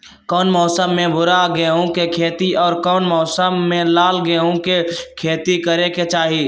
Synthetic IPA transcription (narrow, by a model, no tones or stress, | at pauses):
kɔːnmɔːsəmːẽbʱʊɾaɡeɦõkekʰeːt̪iʔɔːɾkɔːnmɔːsəmːẽlaːlɡeɦõkekʰeːt̪ikəɾeket͡ʃaːɦi